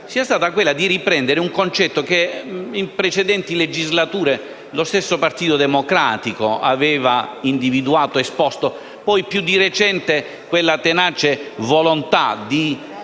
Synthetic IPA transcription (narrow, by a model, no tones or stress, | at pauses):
siːast̪aːt̪akwelːad̪iripɾɛnd̪eɾeuŋkont͡ʃɛt̪ːokeimpɾet͡ʃɛd̪ɛnt̪iled͡ʒizlat̪uːɾe | lost̪esːopart̪iːt̪od̪emokɾaːt̪ikoa̰vɛːvaind̪ivid̪uaːt̪oespɔst̪o | pɔjpjud̪ːiret͡ʃɛnt̪e | kwelːat̪enaːt͡ʃevolont̪a̰d̪i